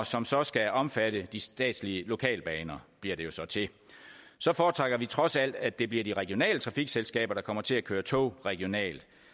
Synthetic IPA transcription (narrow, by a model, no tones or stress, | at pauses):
ɒsɒ̽msɒ̽sɡ̥æɒ̽mfæɾ̥əd̥isd̥ɛ̰ːd̥sliəlo̝kʰɛ̰ːlb̥ɛːnɐb̥liɐ̰ɾ̥e̝jo̝sɒ̽t͡sʰe̝ | sɒ̽fɒːt͡sʰʁaɡ̥ɐʋit͡sʰʁɒ̽sæl̰d̥æd̥e̝bliɐd̥iʁɛɡ̥ijo̝nɛ̰ːlət͡sʰʁɑ̈fiɡ̥selsɡ̥ɛ̰ːb̥ɐɾ̥ɑ̈kʰɒ̽m̰ɐt͡sʰe̝lækʰøːɐt͡sʰo̰ːʁɛɡ̥io̝nɛ̰ːld̥